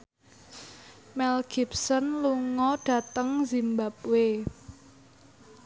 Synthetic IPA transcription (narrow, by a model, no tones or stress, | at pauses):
mɛlɡ̥ip̚sənluŋɔɖ̥ä̤t̪əŋzimbap̚we